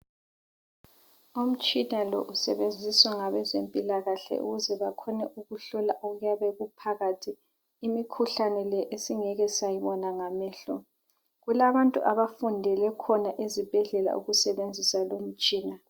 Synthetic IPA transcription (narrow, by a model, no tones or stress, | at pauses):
om̩t͡ʃʼinalɔʔusɛβend͡zʱiswaŋaβɛzempʼilaɣaɬɛ̰ʔṵɣuzɛβakʰɔnɛʔuɣuɬɔlaʔuɣujaβɛɣupʰaɣatʰiː | mikʰuɬanɛlɛʔesiŋɛɣɛsajiβɔnaŋamɛːɬɔ | ɣulaβantʼṵʔaβafundʱɛlɛkʰɔnaʔezib̥ʱɛɮɛla̰ʔṵɣusɛβend͡zʱisalom̩t͡ʃʼiːna